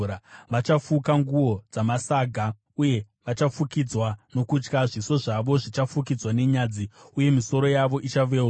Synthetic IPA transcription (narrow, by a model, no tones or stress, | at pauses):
aʋat͡ʃafukaŋɡuwo̞d͡zamasaːɡʱa | uje̞ | ʋat͡ʃafukid͡zwano̞kut͡ʃkaʐiso̞ʐaʋo̞ʐit͡ʃafuk̬id͡zwane̞ɲaːd͡ziuje̞miso̞ɾo̞jaʋo̞ʔit͡ʃaʋe